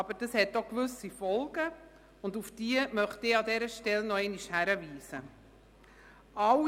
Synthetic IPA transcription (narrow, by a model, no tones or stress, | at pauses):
ɑbəɾd̥əshɛtːokvʉsifɔlɡ̥ə | ʊndufd̥iːəmœχtɪːɑdɛɾəʃtɛlnɔɛɪniʃhæɾəviːsə | ɑ